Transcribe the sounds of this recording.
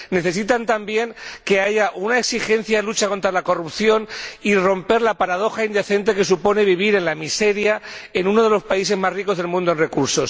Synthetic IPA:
ne̞θe̞s̬it̪ant̪ambje̞ŋke̞aʝaʔunaeksixe̞n̟θjaðelut͡ʃako̞nt̪ɾalako̞rupθjo̞niro̞mpe̞ɾlapaɾað̞o̞xaind̪e̞θe̞nt̪e̞ke̞supo̞ne̞βiβ̞iɾe̞nlamise̞ɾjaenuno̞ð̞e̞lo̞spais̬e̞zmariko̞zð̞e̞lmũnd̪oe̞nre̞kuɾso̞s

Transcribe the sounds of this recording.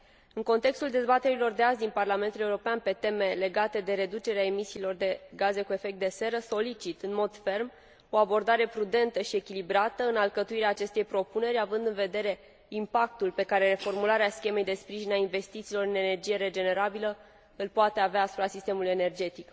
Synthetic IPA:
ɨŋko̞nt̪e̞kst̪uld̪e̞zbat̪e̞ɾilo̞rd̪eazd̪inparlame̞nt̪uleuɾo̞peanpe̞t̪e̞me̞le̞ɡat̪e̞d̪e̞ɾe̞d̪ut͡ʃe̞ɾeae̞misiːlo̞rd̪e̞ɡaze̞kue̞fe̞k̚t̪d̪e̞se̞ɾəso̞lit͡ʃit̪ɨnmo̞d̪fe̞rm | o̞abo̞rd̪aɾe̞pɾud̪e̞nt̪əʃie̞kʲilibɾat̪əɨnalkət̪uiɾeaːt͡ʃe̞st̪e̞jpɾo̞pune̞ɾʲavɨnd̪ɨnve̞d̪e̞ɾe̞ | impak̚t̪ulpe̞kaɾe̞ɾe̞fo̞rmulaɾeaskʲe̞me̞jd̪e̞spɾiʒinainve̞st̪it̪siːlo̞ɾɨne̞ne̞rd͡ʒije̞ɾe̞d͡ʒe̞ne̞ɾabilə | ɨlpoat̪eaveaːsu̥pɾasist̪e̞muluje̞ne̞rd͡ʒe̞t̪ik

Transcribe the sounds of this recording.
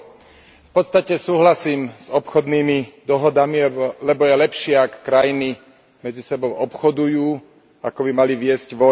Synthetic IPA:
fpɔt̪st̪acɛsuːɦlasiːmz̥ɔpxɔd̪niːmid̪ɔɦɔd̪amilɛbɔjɛlɛpʃɪɛakːɾajini | mɛd͡zisɛbɔʊɔpxɔd̪ujuː | akɔbimaliʋɪɛzɟʋɔ

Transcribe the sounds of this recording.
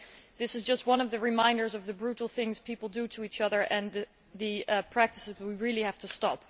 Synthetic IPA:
ðɪsɨzd͡ʒʌst̚wʌ̃nʌvðɨɹɨmãɪ̃ndə˞zʌvðɨbɹuɾl̩ˠθɪ̃ŋz̥pʰipl̩ˠdɨɾɨit͡ʃʌðə˞ʔɨ̃n | ðɨpʰɹ̥æk̚tɨsɨz̚wiɹɪlˠihæftɨstɑp

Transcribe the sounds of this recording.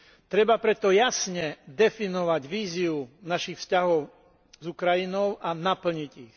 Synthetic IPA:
t̪ɾɛbapɾɛt̪ɔjasɲɛd̪ɛfinɔʋaɟʋiːziunaʃixfscaɦɔʊ | zukɾajinɔʊʔanapl̩ɲiɟix

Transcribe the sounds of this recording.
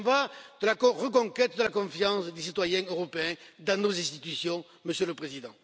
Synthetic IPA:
vad̪̥əlakɔ̃ʁək̬ɔ̃ŋkɛt̪̚d̪əlakɔ̃fjɑ̃sd̪esit̪wajɛ̃øʁɔpeɛ̃d̪ɑ̃nozɛ̃st̪it̪ysjɔ̃ | məsjələpχezid̪ɑ̃

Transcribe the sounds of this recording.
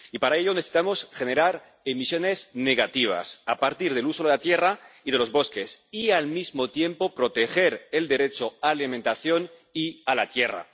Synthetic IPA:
ipaɾae̞ʎo̞neθesi̥t̪amo̞sxe̞ne̞ɾaɾ | emisjo̞ne̞zne̞ɣat̪iβ̞a̰sapaɾt̪iɾð̞e̞luso̞ðelat̪je̞raið̞e̞lo̞zβo̞ske̞sialmizmot̪je̞mpo̞pɾo̞t̪e̞xe̞ɾe̞ld̪e̞ɾe̞t͡ʃoalimẽ̞nt̪aθjo̞n | ialat̪je̞ra̰

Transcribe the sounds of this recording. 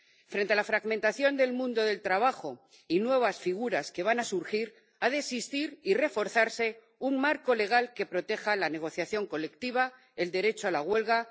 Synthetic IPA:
fɾe̞nt̪e̞alafɾaɣmẽnt̪aθjo̞nd̪e̞lmũnd̪o̞ðe̞lt̪ɾaβ̞axo̞ | inwe̞β̞asfiɣ̞uɾaske̞β̞anasuɾxiɾ | aðesist̪iɾire̞fo̞ɾθaɾse̞ | uŋmaɾko̞le̞ɣ̞alke̞pɾo̞t̪e̞xalane̞ɣ̞o̞θjaθjo̞ŋko̞le̞kt̪iβ̞a | e̞ld̪e̞ɾe̞t͡ʃoalaɣwe̞lɣa

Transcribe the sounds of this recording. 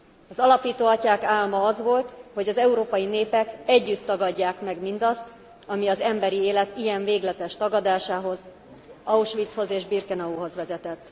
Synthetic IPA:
ɒzɒlɒpiːt̪oːɒcaːkaːlmɒɒzʋo̞lt̪ho̞ɟɒzɛuɾoːpɒjineːpɛkɛɟːyt̪ːɒɡɒɟːaːkmɛɡmind̪ɒst̪ | ɒmiɒzɛmbɛɾieːlɛt̪ijɛɱveːɡlɛt̪ɛʃt̪ɒɡɒd̪aːʃaːɦo̞z | ɒuʃʋit̪sho̞zeːʒbirkɛnɒuːɦo̞zʋɛzɛt̪ɛt̪ː

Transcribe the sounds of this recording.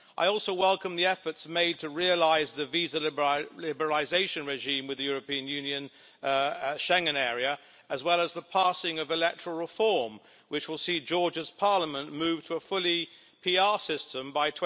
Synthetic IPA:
ʔa̰ɪɔlˠsoʊwɛlˠkə̃mðiɛfə˞tsmeɪd̚tʰɨɹiɨlaɪzðɨvizəlɪbə˞əlɪzeɪʃɨ̃nɹɨʒĩmwɨðɨjʊɹɨpĩɨ̃njʉ̃njɨ̃n | ʃɛ̃ŋɨ̃nɛɹiɨ | ɨzwɛlˠəzðəpʰæsɪ̃ŋʌvɨlɛk̚tʰə̥ɹl̩ˠɹəfɔɹm | wɨt͡ʃwəlˠsid͡ʒɔɹd͡ʒɨz̥pʰɑɹləmə̃nmʉv̥tʰəəfʊlˠi | pʰiɑɹsɪstə̃mbaɪtʰw

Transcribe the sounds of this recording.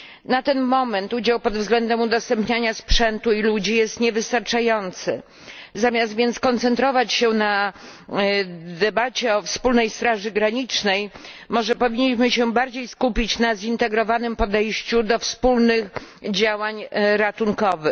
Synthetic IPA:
nat̪ɛnmɔmɛnt̪ud͡ʑawpɔd̪vzɡlɛnd̪ɛmud̪ɔst̪ɛmpɲaɲaspʂɛnt̪uilud͡ʑijɛst̪ɲɛvɘst̪aɾt͡ʂajɔnt̪sɘ̰ | zamʲjast̪vʲjɛnt̪skɔnt̪sɛnt̪ɾɔvat͡ɕɕɛna | d̪ɛbat͡ɕɛɔfspulnɛjst̪ɾaʐɘɡɾaɲit͡ʂnɛj | mɔʐɛpɔvʲiɲːiɕmɘɕɛbaɾd͡ʑejskupʲit͡ɕnazint̪ɛɡɾɔvanɘmpɔd̪ɛjɕt͡ɕud̪ɔfspulnɘxd͡ʑawaɲɾat̪uŋkɔvɘ

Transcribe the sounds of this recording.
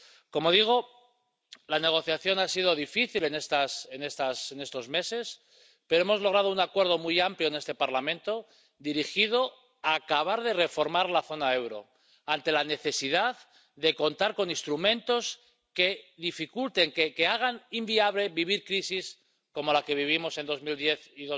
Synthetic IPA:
ko̞mo̞ðiɣ̞o̞ | lane̞ɣ̞o̞θjaθjo̞nasið̞oð̞ifiθile̞ne̞st̪asene̞st̪asene̞st̪o̞zme̞se̞s | pe̞ɾo̞emo̞zlo̞ɣ̞ɾað̞ounakwe̞ɾð̞o̞mujampljo̞ene̞st̪epaɾlamẽ̞nt̪o̞ | d̪iɾixið̞o̞ | aːkaβaɾð̞e̞re̞fo̞ɾmaɾlaθo̞nae̞wɾo̞̰ | ant̪e̞lane̞θe̞sið̞að | ðe̞ko̞nt̪aɾko̞nĩnst̪ɾumẽ̞nt̪o̞s | ke̞ðifikult̪e̞ŋkeke̞aɣ̞animbiaβle̞βiβ̞iɾkɾisis | ko̞mo̞lake̞β̞iβ̞imo̞se̞nd̪o̞zmild̪je̞θiðo

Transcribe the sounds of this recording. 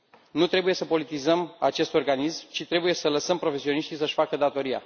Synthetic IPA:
nut̪ɾe̞buje̞səpo̞lit̪izəmat͡ʃe̞st̪o̞rɡanismt͡ʃit̪ɾe̞buje̞sələsəmpɾo̞fe̞sio̞niʃt̪isəʃʲfakəd̪at̪o̞ɾia̰

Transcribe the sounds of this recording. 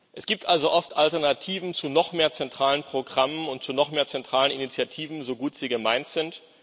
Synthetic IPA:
ʔɛsɡ̥iːp̚tʔalzoʔɔftʔaltɛɐnatʰiːvn̩t͡sunɔχmeːɐt͡sɛntʁ̥aːlənpʁ̥oɡʁamənʊntt͡sunɔχmeːɐt͡sɛntʁ̥aːləninit͡sjatʰiːvn̩zoɡuːtz̥iːɡəmaɪntz̥ɪnt

